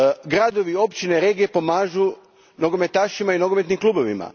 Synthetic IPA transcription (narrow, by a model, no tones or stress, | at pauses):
ɡɾad̪o̞ʋio̞pt͡ɕineɾe̞ɡie̞po̞maːʒu | no̞ɡo̞me̞t̪aːʃimaino̞ɡome̞t̪nimklˠuːbo̞ʋḭma̰